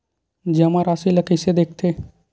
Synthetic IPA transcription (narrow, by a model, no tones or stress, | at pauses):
d͡ʒɐmaɾaːsiləkised̪eːk̚ʰt̪ʰeː